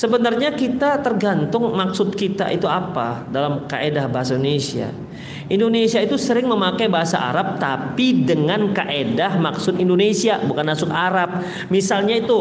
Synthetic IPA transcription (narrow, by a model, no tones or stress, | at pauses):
səbənarɲakit̪at̪ərɡant̪ʊŋmaksʊt̪̚kit̪a̰ʔit̪uapa̰dalamka̰ʔedahbaɦasaindonesia̰ | ʔindonesiait̪usəɾɪŋməmakajbaɦasa̰ʔa̰ɾap̚t̪apidəŋanka̰ʔedahmaksʊt̪indonesiabukanmasʊkaɾap̚ | misalɲait̪u